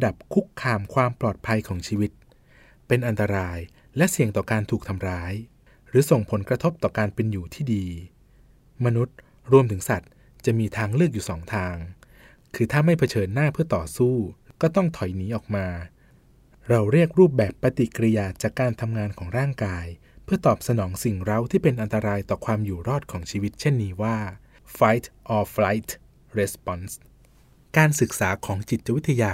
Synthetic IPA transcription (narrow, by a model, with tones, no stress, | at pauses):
da˨˩p̚kʰu˦˥kʰːaː˧mkʰwaː˧mplɔː˨˩t̪̚pʰa˧jkʰɔː˩˦ŋt͡ɕʰiː˧wi˦˥t̪̚ | pe˧nʔa˧nt̪a˧ɾaː˧j | lɛ˦˥ʔsi˨˩əŋt̪ɔː˨˩kaː˧nt̪ʰuː˨˩k̚t̪ʰa˧mɾaː˦˥j | ɾɯː˩˦so˨˩ŋpʰo˩˦nkɾa˧t̪ʰo˦˥p̚t̪ɔː˨˩kaː˧npe˧njuː˨˩t̪ʰiː˥˩diː˧ | ma˧nu˦˥t̪̚ | ɾu˧əmt̪ʰɯ˩˦ŋsa˨˩t̪̚ | t͡ɕa˨˩miː˧t̪ʰaː˧ŋlɯ˥˩ək̚juː˨˩sɔː˩˦ŋt̪ʰaː˧ŋ | kʰɯː˧t̪ʰaː˥˩ma˥˩jpʰa˧t͡ɕʰɤː˧nːaː˥˩pʰɯ˥˩ɐt̪ɔː˨˩suː˥˩kɔː˥˩t̪ɔ˥˩ŋt̪ʰɔ˨˩˦jniː˩˦˥ʔɔː˨˩k̚maː˧ | ɾa˧wɾi˥˩ək̚ɾuː˥˩p̚bɛː˨˩pːa˧t̪i˨˩kɾi˧jaː˨˩t͡ɕaː˨˩kːaː˧nt̪ʰa˧mŋaː˧nkʰɔː˩˦ŋɾaː˥˩ŋkaː˧j | pʰɯ˥ɐt̪ɔː˨˩p̚sa˧nɔː˩˦ŋsi˨˩ŋɾa˦˥wt̪ʰiː˥˩pe˧nʔa˧nt̪a˧ɾaː˧jt̪ɔː˨˩kʰwaː˧mjuː˨˩ɾɔː˥˩t̪̚kʰɔː˩˦ŋt͡ɕʰiː˧wi˦˥t̪̚t͡ɕʰe˥˩nːiː˦˥waː˥˩ | fa˦˥jt̪ʔɔː˧fla˦˥jt̪ʰ | ɾe˦˥spɔ˨˧˥ns | kaː˧nsɯ˨˩k̚saː˩˦kʰɔː˩˦ŋt͡ɕi˨˩t̪̚t͡ɕa˨wi˦˥t̪ʰːa˧jaː˧